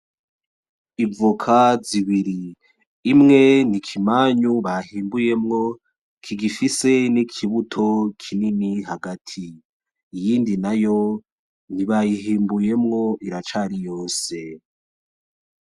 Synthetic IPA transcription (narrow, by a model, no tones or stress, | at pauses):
ivukʰaziβiɾiː | mŋe̞nikʰimaːɲuβahiːmbuje̞mŋo̞ | kʰiɡifise̞nikʰiβutʰo̞kʰininiɦaɡatʰiː | jiːndinajo̞ | niβajiɦiːmbuje̞mŋo̞ʔiɾat͡ʃaɾijo̞ːse̞